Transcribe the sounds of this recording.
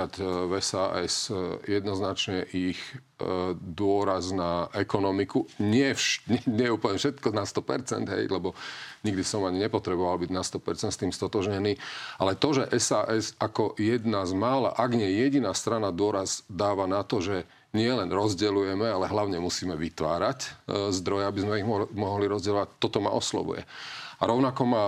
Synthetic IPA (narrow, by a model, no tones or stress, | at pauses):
at̪vɛsaːʔɛsjɛd̪nɔznat͡ʃɲɛʔix | d̪ʊɔɾaznaɛkɔnɔmikuɲɪɛfʃɲɛɲɪɛuːpəl̩ɲɛfʃɛt̪kɔnast̪ɔpɛ̰ɾt͡sɛ̰nd̪ɦɛ̰jlɛbɔɲiɡd̪isɔmaɲiɲɛpɔt̪ɾɛbɔʋalbiɟnast̪ɔpɛɾt͡sɛnt̪st̪iːmst̪ɔt̪ɔʒɲɛniːʔalɛt̪ɔʒɛʔɛsaːʔɛzakɔjɛd̪nazmaːla̰ʔaɡɲɪɛjɛɟinaːst̪ɾanad̪ʊɔɾazd̪aːʋanat̪ɔʒɛ | ɲɪɛlɛnɾɔzɟɛlujɛmɛalɛɦlaʊɲɛmusiːmɛʋit̪ʋa̰ːɾaczd̪ɾɔjɛabizmɛiɣmɔɦɔliɾɔzɟɛlɔʋac̚t̪ɔt̪ɔma̰ʔɔslɔ̰ʋṵjɛ̰aɾɔʊnakɔma